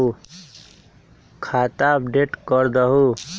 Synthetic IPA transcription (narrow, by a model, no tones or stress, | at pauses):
u | kʰaːt̪aəpɖeʈkəɾd̪əɦu